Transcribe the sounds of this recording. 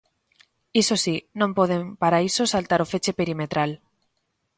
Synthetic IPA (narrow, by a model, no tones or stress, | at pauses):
isosinõmpoðempaɾaisosalt̪aɾofet͡ʃe̞pe̞ɾimet̪ɾal